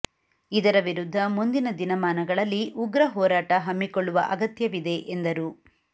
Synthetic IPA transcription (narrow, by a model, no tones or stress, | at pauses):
id̪ɐɾɐʋiɾud̪ʱːɐmund̪inɐd̪inɐmaːnɐɡɐɭɐlːiʔuɡɾɐɦɔːɾaːʈɐɦɐmːikoɭːuʋɐ̰ʔɐɡɐt̪jɐʋid̪e̞ʔend̪ɐɾu